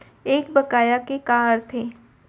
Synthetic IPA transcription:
eːk̚bɐkaːjakekaːɾt̪ʰeː

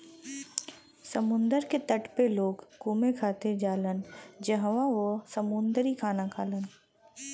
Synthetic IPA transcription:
səmʊ̃nd̪əɾket̪əʈpeloːɡːuːmekʰaːt̪eɾd͡ʒaːlənd͡ʒəɦʋaʋosəmʊnd̪ɾikʰaːnakʰaːlən

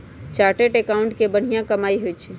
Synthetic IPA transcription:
t͡ʃaɾʈeʈekaʊ̃ɳʈkebəɽ̤ijãkəmaiɦojt͡ʃʰɛ

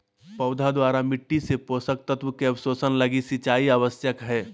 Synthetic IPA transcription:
pɐʊd̪ʱad̪waːɾamɪʈːisepoːsək̚t̪ət̪ʋəkeɐʋsoːsənlɐɡisɪt͡ʃaːiaʋəsjəkɦɛː

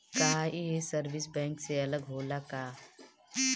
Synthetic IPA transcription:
kaɦaʔiɦesəɾʋɪs̬bɛ̃ːŋkseɐləɡɦoːlakaː

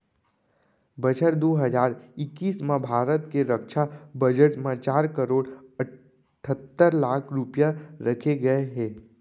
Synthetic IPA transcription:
bət͡ʃəʈd̪oːɦəd͡ʒaːɾɪkːiːsmãbʱaːɾət̪keɾəkʃabəd͡ʒəʈmãt͡ʃaːɾkəɾoːɽə | ʈʰət̪ːəɾlaːkʰɾʊpjaɾəkʰeɡɐeɦɛ̃ː

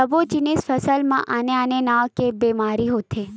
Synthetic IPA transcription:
əbot͡ʃinisfəsəlmã̰ʔaneanenaʋkebemaɾiɦot̪ʰe

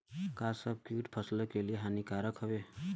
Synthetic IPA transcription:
kasəb̚kjuːʈpʰəsləkelieɦanikaːɾəkɦəʋe

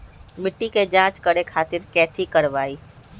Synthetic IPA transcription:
mɪʈːiked͡ʒãːt͡ʃkəɽekʰaːt̪ɪɾkɛːt̪ʰikɐɾʋaːiː

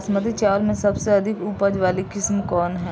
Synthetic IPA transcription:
smət̪it͡ʃaːlmẽsɐbseɐd̪ʱɪkuːpəd͡ʒʋaːlikɪsmkɔːnɦɛː

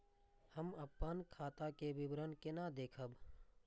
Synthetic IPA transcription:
həməpːənkʰaːt̪akeʋɪbɾənkɪnad̪eːkʰəb

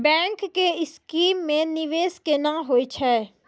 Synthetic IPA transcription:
bɛ̃ːŋkːeɪskiːmːẽnɪʋeːskenãːɦoːit͡ʃʰɛː

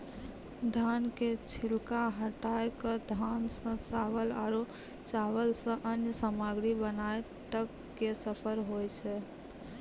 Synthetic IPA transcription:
d̪ʱanket͡ʃʰilkaɦəʈajkəd̪ʱansə̃t͡ʃaʋəlaɾo | t͡ʃaʋəlsə̃ʔənjəsəmaɡɾibənaj | t̪əkːesəpʰəɾɦojt͡ʃʰɛ

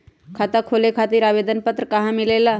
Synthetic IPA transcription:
kʰaːt̪akʰoːlekʰaːt̪iɾaːʋeːd̪ənpət̪ɾəkəɦãmɪlela

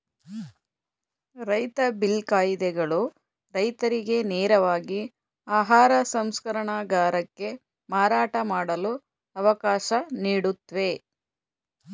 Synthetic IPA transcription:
ɾɐjt̪ɐbilkaːjid̪ɛɡɐɭu | ɾɐjt̪ɐɾiɡe̞neːɾɐʋaːɡi | aːɦaːɾɐsɐmskɐɾɐɳɐɡaːɾɐkːe̞ | maːɾaːʈɐmaːɽɐlu | ɐʋɐkaːʃɐniːɽut̪ːʋe̞

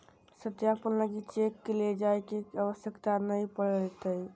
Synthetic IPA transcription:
sət̪japəlləɡit͡ʃekːeled͡ʒajkekəʋəsjəkt̪anəjpəɽlt̪əj

